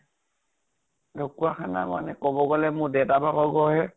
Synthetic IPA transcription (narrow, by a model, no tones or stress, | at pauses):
dokuakʰana̰ma̰nɛkɔbɔɡɔlɛmʊdɛtabakɔɡɔɦɛ